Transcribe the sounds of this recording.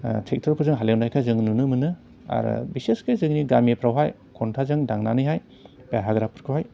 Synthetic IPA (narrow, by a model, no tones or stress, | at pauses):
tʰek̚tʰɯɾpʰɯzɯŋɦalewnajkʰazɯŋnunɯmɯnɯ | a̰ɾɯ̰biseskʰazɯŋniɡamepʰɾawɦaj | kʰontʰazɯŋdaŋnanɯjɦaj | peaɦaɡɾapʰɯɾkʰɯwhaj